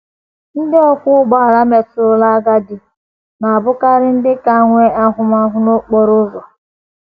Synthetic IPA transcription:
n̩˦dɪ˦ɔ˦kʷʊ˦ɡ͡bɔ˦a˨ɾa˦me˨tʊ˨ɾʊ˦la˦a˦ɡa˦dɪ˨ | na˨a˨bʊ˦ka˦ɾɪ˦n̩˦dɪ˦ka˦ŋʷe˦a˦ɦʊ˦m˦a˦ɦʊ˦no˦k͡po˦ɾʊ˦zɔ˨

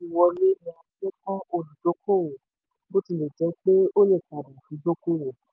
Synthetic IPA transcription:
i˨wɔ˧ɾe˦nĩ˧˦a˧ti˦ɛ˦kɔ̃˦o˧lũ˨do˨˦ko˦˨wo˨ | bo˦ti˦˨le˨d͡ʒɛ˨˦k͡pe˦o˦le˦˨ka˨dã˨fĩ˨˦do˦ko˦˨wo˨

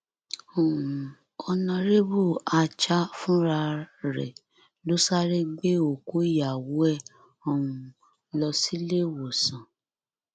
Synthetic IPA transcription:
o˨ũ˨ | ɔ˧nã˧ɾe˦bu˦˨a˧t͡ʃa˦fũ˦ɾa˧ɾɛ̰˨ | lo˦sa˦ɾe˦ɡ͡be˦o˨ko˦ja˨wu˨˦ɛ˦˨ | ɔ˧wũ˧ | lɔ˧si˦le˦˨wo˨sã˨

